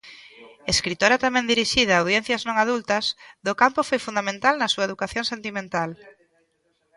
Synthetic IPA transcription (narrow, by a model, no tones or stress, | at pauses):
eskɾit̪oɾɐt̪amɛ̃nd̪iɾiʃiðɐːwðjẽn̟θjɐznõŋaðult̪ɐzðʊkampʊfojfund̪amẽnt̪alnɐsuɐeðukaθjõŋsent̪imẽnt̪al